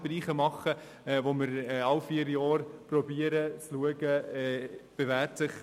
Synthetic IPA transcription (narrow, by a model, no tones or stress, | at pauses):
bɾiːχəmɑχə | ʋoməɾɛɑlfiːɾjɑːɾprɔbiːəɾət͡sluəɡəɛb̥evæːtsɪχ